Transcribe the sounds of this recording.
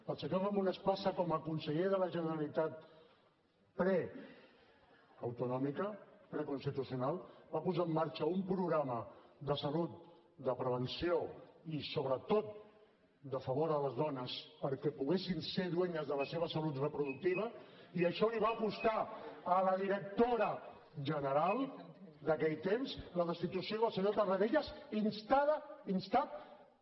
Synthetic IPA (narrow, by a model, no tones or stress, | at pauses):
pəlsəɲavamunəspasəkɔməkunsəʎeðələʒənəɾəlit̪at̪̚ | pɾɛ | əwt̪unɔmikəpɾɛkunst̪it̪usiunalˠbapuzaəmːaɾt͡ʃəumpɾuɣɾaməd̪əsəlut̪̚ | d̪əpɾəβ̞ənsioisoβɾət̪ot̪̚ | d̪əfəβoɾðələzðɔnəspəɾkɛpuɣesinseðweɲəzðələseβ̞əsəlut̪rəpɾuðuk̚t̪iβ̞əiəʃɔliβ̞aːpust̪aələðiɾək̚t̪oɾə | ʒənəɾalˠd̪əkɛʎt̪emzləðəst̪it̪usioðəlˠsəɲot̪ərəðeʎəzinst̪aðəinst̪at̪̚